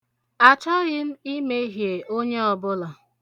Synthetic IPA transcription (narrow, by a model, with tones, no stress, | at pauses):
a˨t͡ʃɔ˦ɣɪ˦m̩˦i˦me˦ɦje˨o˦ɲe˦ɔ˨bʊ˦lɔ˨